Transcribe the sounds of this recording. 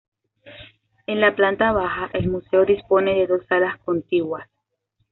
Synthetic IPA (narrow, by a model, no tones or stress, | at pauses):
e̞nlaplant̪aβaxaʔelmuse̞o̞ðispo̞ne̞ðe̞ðo̞salasko̞nt̪iɣwas